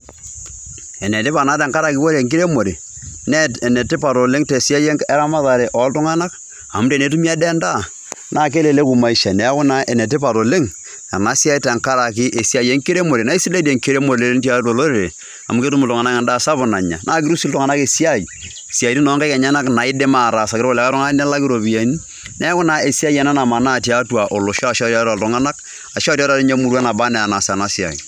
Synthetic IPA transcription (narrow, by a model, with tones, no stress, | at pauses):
ɛ˨ne˨tɪ˦pa˨na˦tɛ˨ŋka˦ɾa˨kɪ˦wo˦ɾe˨ŋk̬i˦ɾe˦mo˨ɾe˨ | n˦˨ne˨tɪ˦pa˨to˨le˦ŋte˨si˦a˦je˦ɛ˦ɾa˦ma˦ða˨ɾe˨ʔɔ˨˦ltʊ˦ŋa˦na˦k | a̰˨mʊ˦te˨ne˨˦tu˦mi˦a˦dɛ˦nda˦˨ | naː˦˨k̬e˦le˨le˦ku˨ma˨i˦ʃa˨nɛ˨˦kʊ˦na˦e˨ne˨t̬ɪ˦pa˨to˨le˦ŋ | a̰˨na˨˦sja˦jtɛ˨ŋka˦ɾa˨k̬ɪ˦ʔe˨si˦a˦˨je˦ŋki˦ɾe˦mo˨ɾe˨na˨˦i˦si˦le˦de˨ŋke˦ɾe˦mo˨ɾle˨˦le˦nta˦to˨lo˦ɾe˨ɾe˨ | a̰˨mu˨ke˦tu˦mu˨tɔ˨ŋa˨na˦kɛ˨nda˦˨sa˦bʊ˨na˨ɲa̰˨nʔaː˦ki˦ɾu˦si˦ltɔ˨ŋa˨na˦ke˨si˦a˦˨i˨ | si˨a˨ti˦nɔ˨˦ŋka˦ka˨ɲa˦na˦kna˨i˦de˦ma˨ɾa˨sa˨kɾko˦lɛ˨˦ka˦ɾɔ˦ŋa˦n˦la˦ki˦ɾo˨bi˨a˨˦ni˦ | nɛ˦a˦kʊ˦na˨˦e˨si˦a˦je˨na˦na˨ma˨na˦˨ti˨a˨˦twa˨ʔo˨lo˨ʃa˦a˨ʃta˦ta˨ltɔ˨ŋa˦na˦k | a˨ʃa˦ti˦a˦ta˨e˦ɲa˦mu˨ɾwa˦na˨ba˦nɛ˨a˨na˨sa˨na˦si˦a̰˨j̰